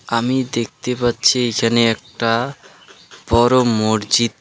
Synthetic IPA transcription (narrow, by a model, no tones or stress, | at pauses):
amid̪ek̚ʰt̪epatːɕʰiekʰaneɛk̚ʈa | b̥ɔɾomoɾd͡ʑit̪